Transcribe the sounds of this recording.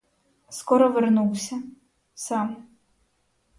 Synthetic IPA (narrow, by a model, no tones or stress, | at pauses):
skɔɾɔvɨrnuwsʲɐ | sam